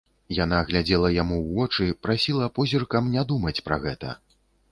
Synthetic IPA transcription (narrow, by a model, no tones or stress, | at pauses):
jan̪aɣlʲad͡zʲɛlˠɐjamuwvɔt͡ʂɨpɾasʲilˠɐpɔzʲirkɐmnʲad̪umɐt͡sʲpɾɐ̰ɣɛt̪ɐ̰